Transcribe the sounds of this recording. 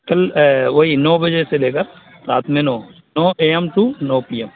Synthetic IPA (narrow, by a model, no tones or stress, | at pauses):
kɐlʋoːɦinɔːbɐd͡ʒeseleːkəɾ | ɾaːt̪mẽnoː | noːʔeːəmʈunoːpiːəm